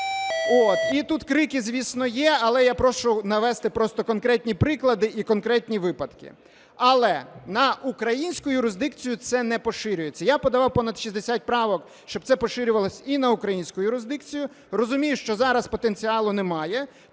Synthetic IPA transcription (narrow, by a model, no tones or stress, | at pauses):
ot̪it̪ut̪kɾɪkɪzʲʋʲisnɔjɛɐlˠɛjapɾɔʃʊnɐʋɛst̪ɪpɾɔst̪ɔkɔnkɾɛtʲnʲipɾɪklˠɐd̪ɪʔikɔnkɾɛtʲnʲiʋɪpɐd̪kɪ̰ | ɐlˠɛnɐʔukɾɐjinʲsʲkʊʊjʊɾɪzd̪ɪkt͡sʲijʊt̪sɛnɛpɔʃɪɾʲʊjet͡sʲːɐjapɔd̪ɐʋɑwpɔnɐd̪ʃizd̪esʲat̚ʲpɾɑʋɔk | ʃt͡ʃɔb̪̚sɛpɔʃɪɾʲʊʋɐlˠɔsʲinɐʊkɾɐjinʲsʲkʊjʊjʊɾɪzd̪ɪkt͡sʲijʊ | rɔzʊmʲijʊʃt͡ʃɔzɑɾɐspɔt̪enʲt͡sʲiɑlˠʊnɛmɑjɛ